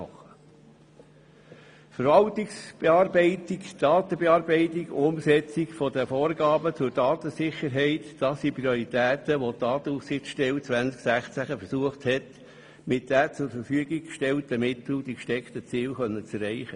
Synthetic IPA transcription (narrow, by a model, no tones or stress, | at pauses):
ɑχə | fəɾʋɑltiksb̥eɑːɾbɛɪtikd̥ɑːt̪əbeɑːɾbɛɪtiɡʊmsɛt͡sikfɔd̪əfoːɾɡɑːbət͡sʊɾdɑːtəsɪχəɾɦɛɪtd̥ɑsipɾioɾit̪æːt̪əʋotɑːtəufsɪχt͡sʃtɛlt͡sʋænt͡sksæχt͡sæχəfəɾsuəχthɛt | mɪt̚dæt͡sʊɾfəɾfyəɡikʃtɛlt̪əmɪt̪l̩d̥̪ikʃtɛkt̪ət͡siːlχœnːət͡sɛɾːɛɪχə